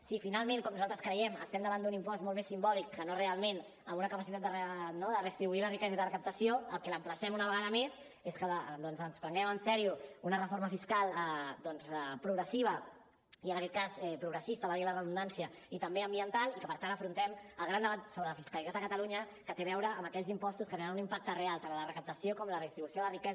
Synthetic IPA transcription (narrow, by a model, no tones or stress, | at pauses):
sifinalˠmẽŋkɔmnuzalˠt̪ɾəskɾəjɛmə̰st̪ɛmd̪əβand̪unimpɔsmolˠmesːimbɔlikːənorealˠmen | əmunəkəpəsit̪at̪̚d̪ərənoðərəst̪ɾiβuilərikɛzaiðərəkəp̚t̪əsioəlˠkɛləmpləsɛmunəβəɣaðəmez | eskəəd̪ɔnzənspɾəŋɡɛmənsɛɾiuunərəfoɾməfiskalˠəd̪ɔnzɛpɾuɣɾəsiβ̞ə | iənəkɛt̪̚kazɛpɾuɣɾəsist̪əβalɣilərəðund̪ansiəit̪əmbeəmbiənt̪alˠikəpəɾt̪antəfɾunt̪ɛməlˠɣɾand̪əβat̪soβɾələfiskəlit̪at̪əkət̪əluɲə | kət̪eβɛwɾəəːməkɛʎzimpɔst̪uskət̪eanunimpak̚t̪ərealˠt̪anlərəkəp̚t̪əsiokɔmlərəðist̪ɾiβusjolərikɛz